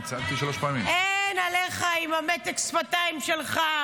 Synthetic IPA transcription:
t͡sant̪iʃaloʃpaːmimenaleχaimamet̪eksfat̪aimʃelχa

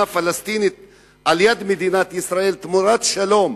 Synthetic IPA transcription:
afalast̪init̪ | ʔaljad̪med̪inat̪isɾaʔelt̪muɾat̪ʃalom

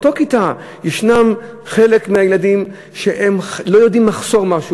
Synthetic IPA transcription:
tokita | jeʃnam | χe̞lekmeajeladim | ʃeʔemlo̞jo̞dimːaχso̞ʁmaʃu

